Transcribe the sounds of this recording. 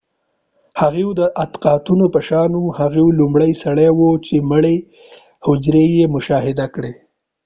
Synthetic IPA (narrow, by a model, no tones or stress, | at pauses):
haɣewd̪əʔat̪qɑt̪unopəʃɑnuhaɣewlumɽəjsaɽawot͡ʃeməɽe | hʊd͡ʒɾejemʊʃɑɦɪd̪akɽe